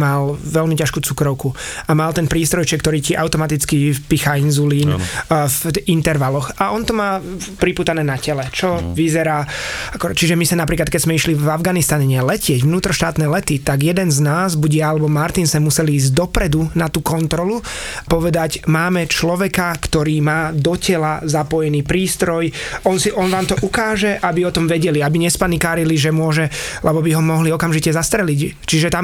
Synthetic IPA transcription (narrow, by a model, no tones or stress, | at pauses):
malʋɛlmicaʃkuːt͡sukɾɔʊkuamalt̪ɛnpɾiːst̪ɾɔjt͡ʃɛkːt̪ɔɾiːciʔaʊt̪ɔmat̪it͡skipixainzuliːn̰fint̪ɛɾʋalɔxaɔnt̪ɔmaːpɾipuːt̪anɛːnacɛlɛt͡ʃɔʋizɛɾaːakɔt͡ʃiʒɛmisanapɾiːklat̪̚kɛzmɛiʃliavɡanist̪aɲɛɲɛlɛcɪɛɟʋnuːt̪ɾɔʃt̪aːt̪nɛlɛt̪it̪aɡjɛd̪ɛnznaːzbuɟjaalɛbɔmaɾt̪insɛmusɛliːzɟd̪ɔpɾɛd̪unat̪uːkɔnt̪ɾɔlupɔʋɛd̪acmaːmɛt͡ʃlɔʋɛkakt̪ɔɾiːmaːd̪ɔcɛlazapɔjɛniːpɾiːst̪ɾɔjɔnsiʔɔnʋaːmt̪ɔʔukaːʒɛʔabiɔt̪ɔmʋɛɟɛliabiɲɛspanikaːɾiliʒɛmʊɔʒɛ | lɛbɔbiɦɔmɔɦliɔkamʒicɛzast̪ɾɛlic | t͡ʃiʒɛt̪am